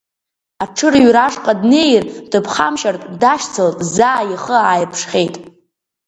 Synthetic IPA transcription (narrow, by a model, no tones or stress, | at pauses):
aʈ͡ʂʰɨrɥraʂqʼadnejrdɨpʰχa̰mʃartʼdaʃt͡sʰaltʼzaːjiχəaːjpʰʂχʲe̞jtʼ